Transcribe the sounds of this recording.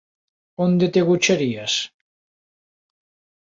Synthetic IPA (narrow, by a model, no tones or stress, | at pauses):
ond̪et̪eɣut͡ʃaɾias